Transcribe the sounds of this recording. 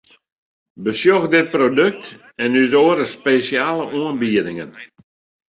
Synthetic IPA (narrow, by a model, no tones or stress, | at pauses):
bəsjoxdɪt̚prodøk̚t | ɛnysoːəɾəspeːsjaːləʔuənbiədɪŋən